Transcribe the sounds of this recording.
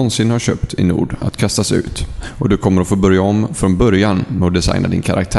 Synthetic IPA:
ɔnsɪnhaɾɕø̰ːp̚t̪ʰɪ̰nṵːɖa̰t̪kʰast̪asʉ̟̰ːt̪ɔd̪ɵkʰɔmːəɾɔfoːbœɾjaɔmfɾɔnbœɾjanmɛɔd̪ɛsa̰jnad̪ɪ̰nkʰaɾʔa̰k̚t̪ʰæː

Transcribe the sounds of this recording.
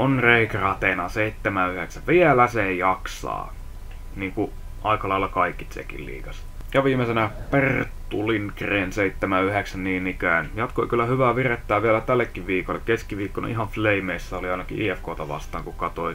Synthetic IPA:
onreikrɑt̪enɑseit̪ːemæyheksæʋʋielæsejɑksɑ̰ː | niːŋku | ʔɑikɑlɑilɑkɑikːit̪sḛkḭllḭːkɑs | jɑʋiːmesenæpert̪ːulinkrenseit̪ːemæyheksænniːnikæːnjɑt̪koikylːæhyʋæʋiret̪ːæːʋʋiælæt̪ælːekːiʋʋiːkolːekkeskiʋiːkːon̰ʔiɦɑʋfleimeisːæoliɑinɑkḭʔiːefkoːt̪ɑʋɑ̰st̪ˑɑːŋkukɑt̪oi

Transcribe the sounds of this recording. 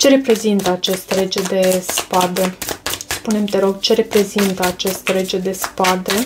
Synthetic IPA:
t͡ʃe̞ɾepɾe̞zint̪əat͡ʃest̪əle̞d͡ʒe̞d̪e̞spad̪e̞spune̞mt̪eɾo̞ɡt͡ʃe̞ɾe̞pɾe̞zint̪əat͡ʃest̪əle̞d͡ʒe̞d̪e̞spad̪e̞

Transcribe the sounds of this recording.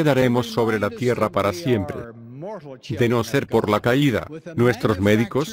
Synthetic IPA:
eðaɾe̞mo̞sːo̞βɾe̞lat̪je̞rapaɾasje̞mpɾe̞̰ | d̪e̞no̞se̞ɾpo̞ɾlakaiða̰nwe̞st̪ɾo̞zme̞ðiko̞s

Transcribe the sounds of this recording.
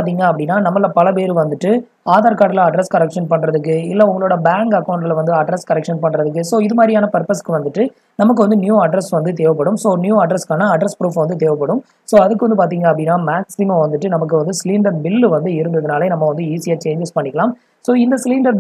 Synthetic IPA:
ɾt̪iːŋɡɐɐpːɐɽɪnːaːnɐmːɐlɐpɐlɐpeːɾɯʋɐnd̪ɯʈːɯ | aːðaːɾkaːʈːɪlɐɐɖɾɛskɐɾɛkʂɐnpɐɳːɾɐðɯk̬ːɯɪlːɛʊŋɡɐɭoːɽɐbaːŋɡɐkːɐʊɳɖɪlʋɐnd̪ɯɐɖɾɛskɐɾɛkʂɐnpɐɳːɾɐðɯk̬ːɯsoːɪðɯmaːd̪ɾɪjaːnɐpɐɾpɐskːɯʋɐnd̪ɯʈːɯ | nɐmɐk̬ːɯʋɐnd̪ɯnjuːɐɖɾɛsʋɐnd̪ɯt̪̬eːʋɐpːɐɽɯmsoːnjuːɐɖɾɛskaːnɐːɖɾɛspɾuːfʋɐnd̪ɯt̪eːʋɐpːɐɽɯm | soːɐðɯkːɯʋɐnd̪ɯpaːɾt̪̬iːŋɡɐɐpːɐɽɪnːaːmaːksɪmɐ̃ʋɐnd̪ɯʈːɯnɐmɐkːɯʋɐnd̪ɯsliːɳɖɐɾbɪlːʋɐnd̪ɯɪɾɯnd̪ɐðɯnaːleːnɐmːɐʋɐnd̪ɯiːsɪjaːt͡ʃeːɲd͡ʒɪspɐɳːɪkːɐlaːm | soːɪnd̪ɐsɪliːɳɖɐɾ

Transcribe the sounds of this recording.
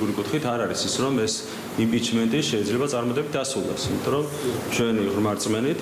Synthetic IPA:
ɡuɾikʼut̪ʰχit̪ʰaɾaɾisisɾɔmɛs | impʼit͡ʃʰmɛnt̪ʼiʃɛid̪zlɛbat̪sʼaɾmɔd̪ɛbit̪̚ʰd̪asɾulˠɛ̰simit̪ʼɔɾɔm | t͡ʃʰwɛniʁɾmaɾt̪sʼmɛnit̪

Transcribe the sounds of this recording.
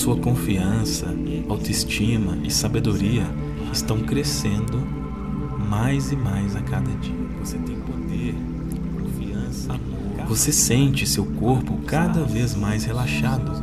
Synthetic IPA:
suɐkõfiɐ̃sɐ | awt̪oist͡ʃĩmɐɪsabed̪oɾiɐ | ɪst̪ɐ̃w̃kɾesẽnd̪ʊ | majzɪmajzakad̪ɐd͡ʒiɐvoset̪ẽj̃pod̪eɾ | kõfiɐ̃sɐ | vosesẽnt͡ʃɪsewkoɾpʊkad̪ɐvezmajshelaʃad̪ʊ

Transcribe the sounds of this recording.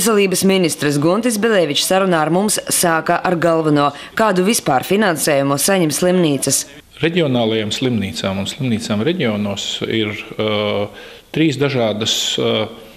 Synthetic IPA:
s̬ɛlˠiːbəsminist̪ɾɨs̬ɡunt̪is̬bʲɛlʲɛːʋit͡ʃsaɾunaːɾmumssaːkaʔaɾɡalˠvanuɔ | kaːd̪uvispaːɾfinansɛːjumusaɲɛmslˠimniːt̪sɐs | ɾeɟʲiɔnaːlˠajamslˠimniːt̪saːmunslˠimniːt̪saːmɾɛɟʲionuɔːsiɾ | t̪ɾiːsd̪aʒaːd̪as

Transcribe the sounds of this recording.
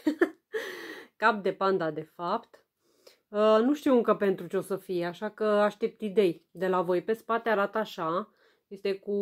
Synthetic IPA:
kap̚d̪e̞pand̪ad̪e̞fapt̪ | ənuʃt̪iwɨŋkəpe̞nt̪ɾut͡ʃeo̞səfijeaʃakəaʃt̪ep̚t̪id̪e̞jd̪e̞lavo̞jpe̞spat̪eaɾat̪əaʃa | je̞st̪eku

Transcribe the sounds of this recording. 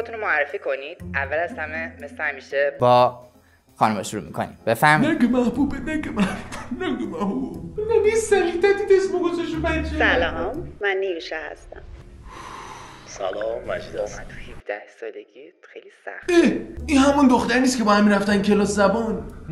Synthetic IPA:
ot̪unomoæɾrːefikʰonid̪̥ʔævːælæshæmemeslehæmiʃebɒː | xɒːnumɒʃuɾṵːmḭkʰo̰nḭdbefæɾminækemæhbubenækemæhbub̥enæɡomæhbubbnænjesæɾit̪æt̪it̪esmoɡozɔʃubæt͡ʃʰːesælɔmːænːijiʃɛhæ̰st̪æ̰m | sæ̰lɒːmːæ̰d͡ʒid̪ɔæt̪ʰu̥hifd̪æ̰hsɒ̰ːleɡixejlisæ̰xeinhæmund̪oxt̪æɾniːskʰʲe̞bɒːhæmːiɾæft̪ænkʰelɒːszæbɒːn

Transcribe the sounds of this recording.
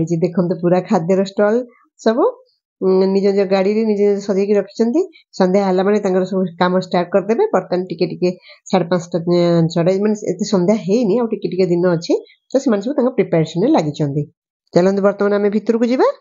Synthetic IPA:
ɽit͡ʃid̪ekʰɔmt̪̬ɔpuɾakʰad̪ʱɔɾɔsʈɔl | sɔbu | nid͡ʒɔnid͡ʒɔɡaɽiɾenid͡ʒenid͡ʒɔsɔd̪ijkiɾɔkʰi̥t͡ʃʰɔnt̪i | sɔnd̪ʱjaɦɛlamanet̪ãŋkɔɾsɔbukamɔsʈaɾʈ̚kɔɾd̪ebapɔɾt̪anʈikeʈikesaɽepãt͡ʃʰʈaat͡ʃʰɔɽajmaneḛt̪esɔnd̪ʱaɦejniawʈikeʈiked̪inɔːt͡ʃʰi | t̪ɔsimanesɔbut̪ãŋkɔpɾipeɾsɔneɾelaɡit͡ʃʰɔnt̪i | t͡ʃalɔ̃nt̪ibɔɾt̪ɔmanamebʱit̪ɔɾukud͡ʒiba

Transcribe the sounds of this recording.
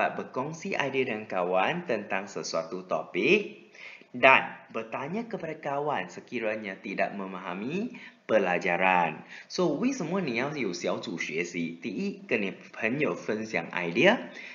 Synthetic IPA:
at̪̚bəkɔŋsiʔa̰jdiədəŋankawant̪ənt̪aŋsəsuat̪ut̪ɔ̰pɪk̚ | danbət̪aɲãkəpadakawansəkiɾaɲat̪ida̰ʔ̚mə̃mãɦamipəlad͡ʒaɾansowisəmuanĩajusiawt̪uʃəsit̪iʔikəni | pʰənjofənsjã̰ŋa̰jdiə

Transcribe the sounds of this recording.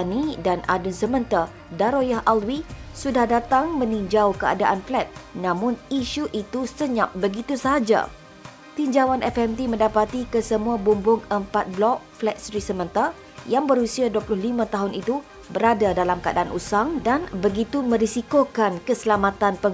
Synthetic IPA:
nidanʔa̰dʊnsəmə̃nt̪a | daɾojaɦalwisudahdat̪aŋmə̃niɲd͡ʒawkəa̰daʔanflɛt̪̚nãmʊ̃niʃuʔit̪usəɲap̚bəɡit̪usəɦad͡ʒa̰ | t̪iɲd͡ʒawanʔɛfɛmt̪imə̃ndapat̪ikəsəmũabumbʊŋəmpat̪̚blɔk̚flɛt̪̚sɾisəmə̃nt̪ar | jaŋbəɾusiaduəplʊhlimãt̪aɦʊnit̪u | bəɾadadalamkəa̰da̰anʔṵsaŋdanbəɡit̪umə̃ɾisikokankəsəlamãt̪anpə

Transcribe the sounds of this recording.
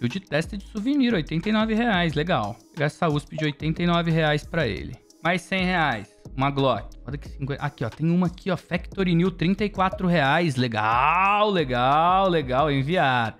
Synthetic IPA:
iwd͡ʒɪt̪ɛst̪ɐd͡ʒɪsuveniɾojt̪ẽnt̪ɐjnɔvɪheajsleɡaw | ɡast̪auspɪd͡ʒɪojt̪ẽnt̪ɐjnɔvɪɦeajspɾɐḛlɪ̰ | majsːẽj̃heajsũmɐɡlɔkɪɔd̪ɐkɪ̥sĩkwẽʔakiɔt̪ẽj̃ũmɐkʰiɔfɛkt̪oɾiniwt̪ɾĩnt̪ɐikwat̪ɾʊɦeajsleɡawleɡawleɡawẽviaɾ

